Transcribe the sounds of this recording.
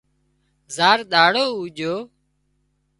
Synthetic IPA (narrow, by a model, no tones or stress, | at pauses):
zaːɾɗ̪aːɽoːuːd͡ʒoː